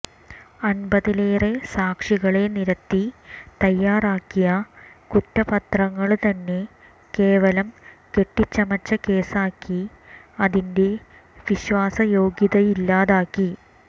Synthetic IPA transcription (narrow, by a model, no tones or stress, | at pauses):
ɐnbɐðileːresaːkʂiɣɐɭe̞niɾɐt̪ːit̪ɐjːaːraːkːijɐkutːɐpɐt̪rɐŋːɐɭt̪ɐnːe̞ | ke̞ːʋɐlɐmke̞ʈːit͡ɕːɐmɐt͡ɕːɐke̞ːsaːkːi | ɐðinde̞ | ʋiɕʋaːsɐjo̞ːɡjiðɐilːaːðaːkːi